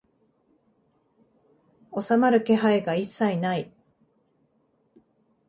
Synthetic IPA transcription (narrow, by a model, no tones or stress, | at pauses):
o̞samaɾɯ̟ke̞ɦaeɡaisːainai